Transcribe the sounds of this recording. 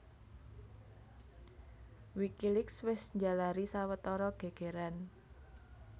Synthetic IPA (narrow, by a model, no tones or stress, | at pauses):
wikilɪkswɪsɲd͡ʒalaɾisawət̪ɔɾɔɡ̥e̤ɡ̥e̤ɾan